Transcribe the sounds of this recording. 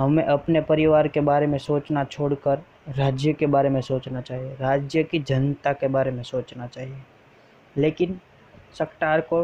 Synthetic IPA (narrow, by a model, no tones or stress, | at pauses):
ɦɐmẽʔɐpnepɐɾɪʋaːɾkebaːɾemẽsoːt͡ʃnat͡ʃʰoːɽkəɾ | ɾaːd͡ʒjəkebaːɾemẽsoːt͡ʃnat͡ʃaːɦieɾaːd͡ʒjəkid͡ʒɐnt̪akebaːɾemẽsoːt͡ʃnat͡ʃaːɦie | leːkɪn | sɐkʈaːɾko